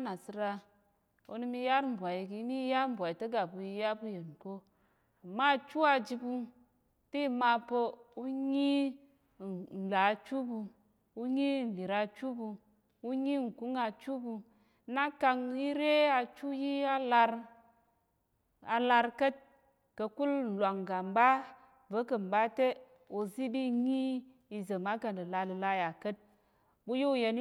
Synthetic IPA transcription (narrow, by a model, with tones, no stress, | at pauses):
na˨si˦ɾa˧ | o̰˨ni˦mi˧ja˦ɾm̩˨bwa˨ji˨ki˨˦ni˦ja˦ɾm̩˨bʷwa˨i˨tə˦ɡa˨bu˨ji˧ja˦bu˦je˨n˨ko˦ | a˨mːa˦˨t͡ʃu˦a˧d͡ʒi˧bu˦ | ti˦˨ma˨po˦u˦ɲi˦˨ | n̩˨la˨t͡ʃu˦bu˧ | u˦ɲi˦˨n˨li˨ɾa˨t͡ʃu˦bu˧ | u˦ɲi˦˨ŋ̩˨ku˦ŋa˧t͡ʃu˦bu˧ | na˦ka˧ŋi˦ɾe˦a˧t͡ʃu˦ji˦a˦la˧ɾ | a˨la˧ɾkə˦t̚ | kə˧ku˦l̩˨la˨ŋɡa˨m˨ba˦ | və˦kə˨m˨ba˦te˦ | o˧zi˦bi˦ɲi˦ | i˧zə˨ma˦kə˨n˨də˨la˧lə˨la˦ja˨kə˦t̚ | bu˦jo˦u˦˨je˧n˦